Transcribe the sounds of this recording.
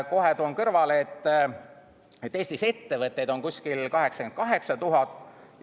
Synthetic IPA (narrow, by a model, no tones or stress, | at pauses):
ko̞ɦet̪uonkɤrvɑlet̪ː | et̪ːe̞ːsʲt̪ise̞t̪ːe̞vɤt̪ːˑe̞jd̪o̞nkusʲkilkɑɦe̞ksɑ̥kenkɑɦe̞ksɑt̪uɦɑt̪ːˑ